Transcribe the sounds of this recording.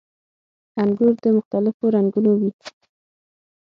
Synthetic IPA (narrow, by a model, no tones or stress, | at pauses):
aŋɡuɾd̪əmʊxt̪alɪfoɾaŋɡunowi